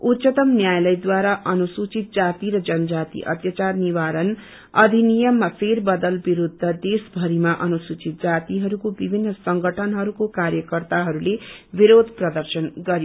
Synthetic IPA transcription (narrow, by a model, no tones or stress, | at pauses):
ut̪sʌt̪ʌmnjajlʌjd̪waɾaʔʌnusut͡sit̪̚d͡zat̪iɾʌd͡zʌnʌd͡zat̪ḭʔʌ̰t̪jat͡sarniwaɾʌn | ʌd̪ʱinijʌmːapʰerbʌd̪ʌlbiɾud̪ʱːʌd̪esbʱʌɾimaʔʌnusut͡sit̪̚d͡zat̪iɦʌɾukobibʱinːʌsʌŋɡʌʈʰʌnɦʌɾukokaɾjʌkʌrt̪aɦʌɾulebiɾod̪ʱprʌd̪ʌrsʌnɡʌɾijo